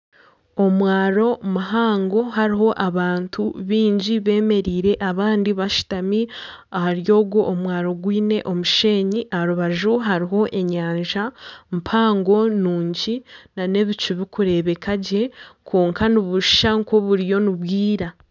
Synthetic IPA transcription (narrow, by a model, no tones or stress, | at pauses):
o̞mwaːɾo̞maɦaːŋɡo̞ɦaɾiɦo̞ʔaβaːntʰuβiːɲɟiβe̞ːme̞ɾiːɾe̞ʔaβaːndiβaʃi̥tami | ahaɾjo̞ːɡwoʔːmwaːɾo̞ɡwiːne̞ʔo̞muʃe̞ːɲiʔaɾuβaʒuɦaɾiɦo̞ʔe̞ɲaːɲʒampʰaːŋɡo̞nuːɲɟinane̞βit͡ʃiβikuɾe̞βe̞kaɟe̞kʰoːŋkaniβuʃi̥ʃaŋko̞βuɾijo̞niβwiːɾa